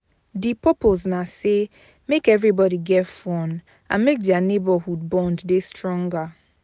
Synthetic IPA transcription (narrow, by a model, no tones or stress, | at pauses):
dipɔpoznase | mekɛvɹibɔɾiɡɛfɔ̃n | ãmek̚dianebahud̚bɔ̃nddestɹɔ̃ŋɡa